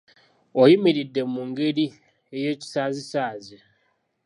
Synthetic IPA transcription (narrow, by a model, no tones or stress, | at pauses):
ojimiɾidːe̞muŋɡeɾi | ejeci̥saːzisaːzi